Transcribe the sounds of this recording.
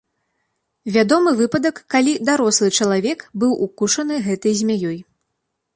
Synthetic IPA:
vʲad̪ɔmɨvɨpɐd̪ɐkːalʲid̪aɾɔslˠɨt͡ʂɐlˠavʲɛkbɨwʔukuʂɐnɨɣɛt̪ɐjzʲmʲajɔj

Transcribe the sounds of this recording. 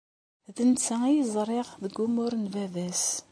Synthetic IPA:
ðənt͡sːəijəzˤɾˤeʁðəɡːumʊɾnvævæs

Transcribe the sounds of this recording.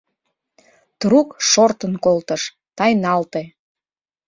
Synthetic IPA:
t̪ɾukʃort̪ənkolt̪əʃ | t̪ɑjnɑlt̪e

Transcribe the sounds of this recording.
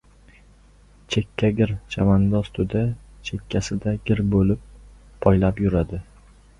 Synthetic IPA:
t͡ʃʰe̞kʲʰːaɡʲɪɾt͡ʃʰamand̪ɒzt̪ʰʊd̪at͡ʃʰe̞kʲʰːasɪd̪aɡʲɪɾbolɪpʰː | ɒjlapjʊɾad̪ɪ

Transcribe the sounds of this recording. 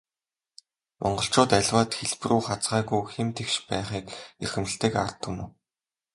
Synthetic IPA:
mʔɔɴɢɞ̆ɬt͡ɕʊːt̪æɮʲwaːt̪xeɮpruːχat͡sʁæːɣujxemt̪ʰewʃpæːχiːkerxɘ̆mɘ̆ɬt̪ĕːka̰rt̪ʰːʊ̆nuw

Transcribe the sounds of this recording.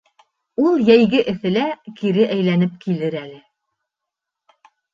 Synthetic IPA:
ulˠjæjɡɘʔɘ̆θɘ̆lækiɾɘʔæjlænɘp̚kilɘɾælɘ

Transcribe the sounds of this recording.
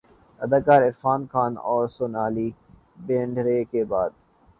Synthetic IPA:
ɐd̪aːkaːɾɪɾfaːnkʰaːnɔːɾsʊnaːli | bẽːɳɖɾekebaːd̪

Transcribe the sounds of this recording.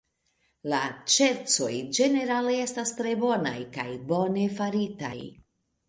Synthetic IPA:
lat͡ʃe̞ɾt͡so̞jd͡ʒe̞ne̞ɾalee̞stastɾe̞bo̞na̰jkajbo̞ne̞faɾita̰j

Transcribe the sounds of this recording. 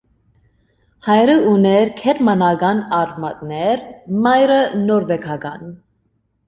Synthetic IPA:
hɑjɾəunɛɾkʰɛɾmɑnɑɡɑnɑɾmɑt̪nɛɾmɑjɾənɔɾvɛkʰɑɡɑn

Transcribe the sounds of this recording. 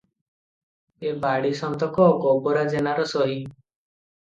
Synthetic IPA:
ebaɽisɔnt̪ɔkɔːɡɔbɔɾad͡ʒenaɾɔsɔɦi

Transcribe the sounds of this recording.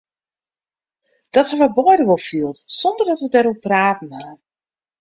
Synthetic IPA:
d̥ɔthaʋəbɔjdəʋolˠfiəlˠtsɔndərdɔtʋədɛɾupraːtn̩ha

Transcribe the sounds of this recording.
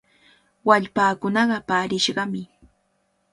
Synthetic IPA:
waʎpaːkʊnɑɢɑpaːɾɪʃɢɑmɪ

